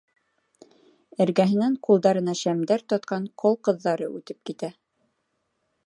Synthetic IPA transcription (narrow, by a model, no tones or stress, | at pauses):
ɘ̆ɾɡæɦɘ̆næŋqulˠd̪ɑɾɤ̆nɑʃæmd̪æɾt̪ɒt̪qɑɴqʰolˠqɤ̆ðːɑɾɤʉt̪ɘp̚kit̪æ